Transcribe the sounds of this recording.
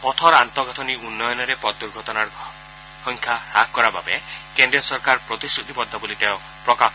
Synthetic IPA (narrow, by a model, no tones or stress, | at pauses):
pɔt̪ʰɔɾant̪ɔɡʱɔt̪ʰɔniunːɔjɔnɔɾepɔd̪uɾɡʱɔt̪ɔnaɾ | hɔŋkʰjaɾakːɔɾababekendɾiɔsɔɾkaɾpɾɔt̪isɾut̪ibɔd̪ʱːɔbolit̪eɔ | pɾɔka